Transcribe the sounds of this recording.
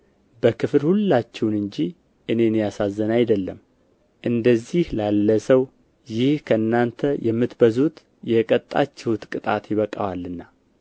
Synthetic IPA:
bəkʰɨflhulːat͡ʃːɛwnɨɲd͡ʒi | ʔɨne̞njasazːənajd̪əlːəm | ʔɨnd̪əzihlalːəsəw | jɪhkʰəɨnːant̪ʰəjɛmːɨt̪bəzut̪ | jɛkʼət̪ʼːa̰t͡ʃːɛhut̪kʼɨt̪ʼat̪jɪβəkʼawalːɨnːa

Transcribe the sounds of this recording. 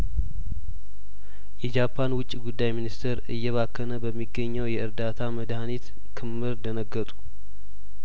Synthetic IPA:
jɛd͡ʒapʰːanwʊt͡ʃʼːiɡud̪ːajminist̪ʰəɾɨjːɛβakʰːənəbəmːiɡːəɲːəwjɛʔɨɾd̪at̪ʰaməd̪hanit̪ | kʰɨmːɨɾnd̪ənəɡːət̪ʼu̥

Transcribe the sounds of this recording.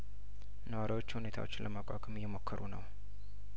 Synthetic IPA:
nəwaɾiwo̞t͡ʃːhune̞t̪ʰa̰wo̞t͡ʃːɪnlʔəmakʼa̰kʼəmjɛmo̞kʰːəɾunəw

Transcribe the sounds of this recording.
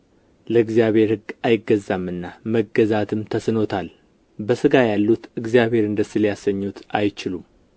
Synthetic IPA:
ləɨɡzijaβhe̞ɾhɨɡːajɪɡːəzːamːɨnːaməɡːəzat̪ʰɨmt̪ʰəsno̞t̪ʰal | bəsɨɡajalːut̪ɨɡzijaβhe̞ɾɨnd̪əsiljasːəɲːut̪ʔa̰jt͡ʃɪlum

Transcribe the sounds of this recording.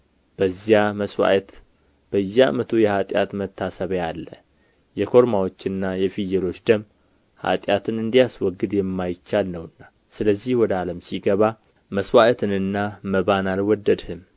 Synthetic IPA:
b̥əzːijaməswa̰ʔət̪ | b̥əɨjːa̰ʔmət̪ʰujɛhat̪ʼja̰t̪mət̪ʰːasəβjalːə | jɛkʰo̞ɾmawot͡ʃːɨnːajɛfijːɛlo̞t͡ʃːd̪əm | ha̰t̪ʼjat̪ʰɨnɨnd̪ijaswɔɡːɨd̪jɛmːajɪt͡ʃːalnəwɨnːa | sɨləzːihwɔd̪aləmsiɡəβa | məswaʔət̪ʰɨnɨnːaməβanalwɔd̪ːəd̪hɨm

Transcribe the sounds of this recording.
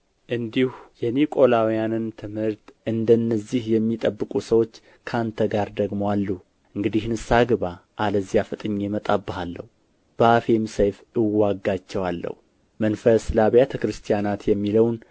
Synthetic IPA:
ʔɨnd̪ihujɛnikʼo̞lawijanɨnt̪ʰɨmhɨɾt̪ʔɨnd̪ənːəzːihjɛmːit̪ʼəbːɨkʼusəwo̞t͡ʃː | kʰəant̪ʰəɡaɾd̪əɡmowalːu | ʔɨŋɡɨd̪ihnɨsaɡɨβaʔaləzːijafɨt̪ʼɨɲːemət̪ʼabːɨhalːə̰h | b̥əafemsejfɨwaɡːat͡ʃːɛwalːə̰hu | mənfəslaβjat̪ʰəkɾɨst̪ʰijanat̪jɛmːiləwn

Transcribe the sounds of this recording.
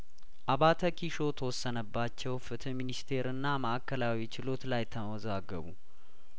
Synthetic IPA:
ʔaβat̪ʰəkʰiʃo̞t̪ʰəwɔsːənəbːat͡ʃːɛwfɨt̪ʰɨminist̪ʰe̞ɾɨnːaməʔakːəlawit͡ʃɪlo̞t̪lajt̪ʰəməwɔzaɡə̰βṵ

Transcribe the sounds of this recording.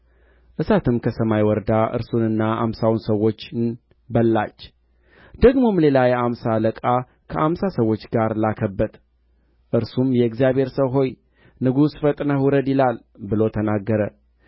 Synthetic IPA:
ʔɨsat̪ʰɨmkʰəsəmajwɔɾd̪aʔɨ̰ɾsunɨnːaʔa̰msawunsəwːo̞t͡ʃːn | bəlːa̰t͡ʃː | d̪̥əɡmo̞mle̞lajɛamsaləkʼa | kʰəʔamsasəwːo̞t͡ʃːɡaɾlakʰəbːəd̪ | ʔɨɾsumjɛɨɡzijabhe̞ɾsəwɦo̞j | nɨɡusfət̪ʼnəhuɾəd̪jɪlal | bɨlo̞t̪ʰənaɡːəɾə

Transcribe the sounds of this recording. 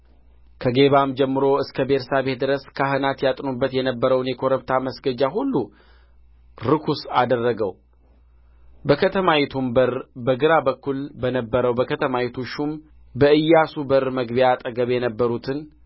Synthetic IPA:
kʰəɡe̞βamd͡ʒɛmːɨɾo̞ɨskʰəbeɾsaβe̞t̪̚d̪ɨɾəskʰaɦɨnat̪jat̪ʼnobːət̪jɛnəbːəɾəwnjɛkʰo̞ɾəbt̪ʰaməsɡəd͡ʒaɦulːu | ɾɨkʰusad̪ərːəɡəw | bəkʰət̪ʰəmawɛt̪ʰumbəɾbəɡɨɾabəkːulbənəbːəɾəwbəkʰət̪ʰəmawit̪ʰuʃum | bəʔɨjːasubəɾməɡbiat̪ʼəɡəβjɛnəbːəɾut̪ʰɨn

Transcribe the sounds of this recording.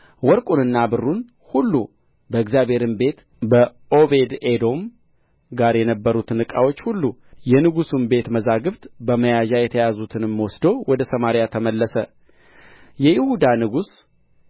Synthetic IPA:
wɔɾkʼunɨnːabɨrːun | hulːu | bəɨɡzjaβʱhe̞ɾɨmbe̞t̪ | bəʔo̞be̞d̪ed̪o̞m | ɡaɾjɛnəbːəɾut̪nɨkʼa̰wo̞t͡ʃːhulːujɛnɨɡusunbe̞t̪məzaɡɨβt̪bəməjaʒajɛt̪ʰəjazut̪ʰɨnɨmːwɔsd̪owɔd̪əsəmaɾjat̪ʰəməlːəsə | jɛjɪhud̪anɨɡus

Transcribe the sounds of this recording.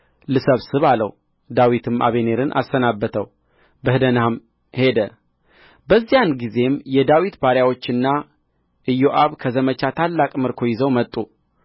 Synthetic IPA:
lɨsəβsɨβalə̰w | d̪awit̪ʰɨmʔa̰βe̞ne̞ɾɨnʔa̰sːənabːət̪ʰəw | bəhd̪ənaham | he̞d̪ə | bəzːijanɡize̞mjɛd̪awit̪baɾjawo̞t͡ʃːɨnːa | ʔɨjːoʔaβkʰəzəmət͡ʃat̪ʰalːakʼmɨɾkʰo̞jɪzəwmət̪ʼːu

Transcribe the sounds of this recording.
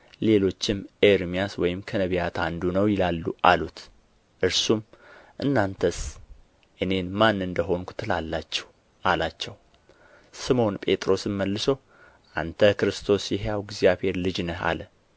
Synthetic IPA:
le̞lo̞t͡ʃːɪmeɾmijaswɔjɪmkʰənəβijat̪ʰand̪unəwjɪlalːuʔalut̪ | ʔɨɾsumʔɨnːant̪ʰəs | ʔɨne̞nmanːɨnd̪əɦo̞nkʰu̥t̪ʰɨlalːat͡ʃːɛw | ʔalat͡ʃːɛw | sɨmo̞npʼe̞t̪ʼɾo̞sɨmməlːɨsəw | ʔa̰nt̪ʰəkɾɨst̪ʰo̞sjɛɦjawɡzijaβhe̞ɾlɨd͡ʒnəha̰lə

